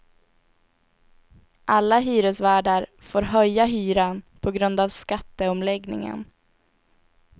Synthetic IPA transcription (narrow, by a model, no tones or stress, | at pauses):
ʔalːaɦyːɾəsvæːɖaɾ | foːɾɦœjːaɦyːɾanpʰɔɡɾɵnd̪avskat̪ːəɔmlɛɡnɪ̰ŋə̰n